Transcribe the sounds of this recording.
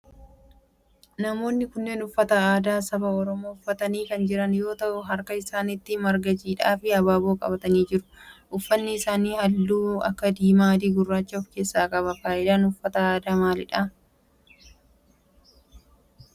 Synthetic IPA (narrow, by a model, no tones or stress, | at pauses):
nɐmo̞ːnːɪkʊnːeːnʊfːɐt̪ɐaːd̪aːsɐbɐɔɾɔmoːʊfːɐt̪ɐniːkɐnd͡ʒɪɾɐnjo̞ːt̪ɐʔʊɦɐɾkɐɪsaːnɪt̪ːɪmɐɾɡɐd͡ʒiːᶑaːfɪɐbaːboːkʼɐ̰bɐt̪ɐniːd͡ʒɪɾʊ̥ʔʊfːɐnːɪːsaːniːhɐlːuːɐ̰kːɐd̪iːmaːd̪iːɡʊrːaːt͡ʃːɐɔfke̞ːsːaːkʼɐβɐfaːʔɪd̪aːnʊfːɐt̪ɐaːd̪aːmaːlɪᶑa